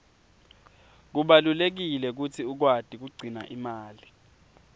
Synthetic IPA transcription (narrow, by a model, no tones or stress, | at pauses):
k̬uɓalulek̬ilɛk̬ut͡sʰiuk̬wad̥ʱik̬uɡ͡ǀʱina̰ʔimaːli